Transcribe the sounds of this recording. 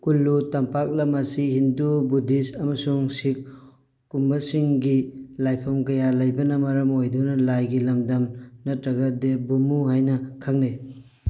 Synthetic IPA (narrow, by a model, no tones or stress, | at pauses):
kulːutɐmpak̚lɐmɐsihindubudisɐmɐsuŋsik̚ː | umbɐsiŋɡilajpʰɐmkɐjalɐjbɐnɐmɐɾɐmojdunɐlajɡilɐmdɐmnɐtɾɐɡɐdebumuɦajnɐkʰak̚ne